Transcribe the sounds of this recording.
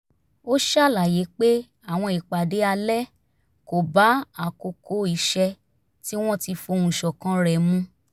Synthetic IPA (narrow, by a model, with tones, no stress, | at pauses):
o˦ʃa˦˨la˨je˨˦k͡pe˦ | a˦˨w̃ɔ̃˧i˨k͡pa˨de˨˦a˧lɛ˦ | ko˨ba˨˦a˨ko˧kʰo˧˦i˨ʃɛ˧ | ti˦w̃ɔ̃˦ti˧fo˧ũ˨ʃɔ˨kã˦ɾɛ˨mũ˧˦